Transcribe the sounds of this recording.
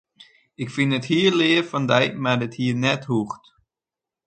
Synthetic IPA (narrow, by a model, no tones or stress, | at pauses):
ɪkfɪnəthiːəlɪːəfɔndɛjmardɪthiːərnɛthuxt